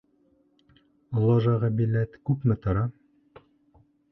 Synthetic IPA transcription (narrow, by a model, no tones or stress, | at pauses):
ŏlˠːɑʒɑʁɑbilæt̪kʉpmɘt̪ɤ̆ɾɑ